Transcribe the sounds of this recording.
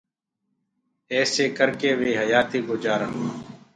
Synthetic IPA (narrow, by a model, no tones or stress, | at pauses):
ɛːseːkəɾkeːʋeːɦəjaːt̪eːɡod͡ʒaːɾəɦoː